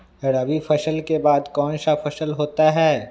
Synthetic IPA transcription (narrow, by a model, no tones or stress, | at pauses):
eɽaːbifʰɐʃəlkebaːd̪kɔːnʃafʰɐʃəlɦoːt̪aɦɛː